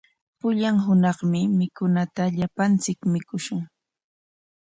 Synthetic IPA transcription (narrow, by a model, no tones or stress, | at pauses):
pʊʎaŋɦʊnɑχmɪmɪkʊnat̪aʎapant͡sɪkmɪkʊʃʊŋ